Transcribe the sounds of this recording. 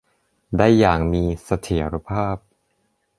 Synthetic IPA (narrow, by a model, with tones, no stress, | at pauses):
daː˥˩jːaː˨˩ŋmiː˧sa˧t̪ʰi˩˦ɐɾa˧pʰaː˥˩p̚